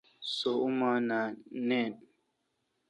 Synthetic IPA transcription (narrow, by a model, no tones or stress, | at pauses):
soumananɛn